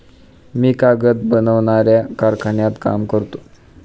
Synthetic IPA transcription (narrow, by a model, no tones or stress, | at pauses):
miːkaɡət̪̚bənəʋɳaɾjakaɾkʰaɳjat̪ka̰mkəɾt̪o̥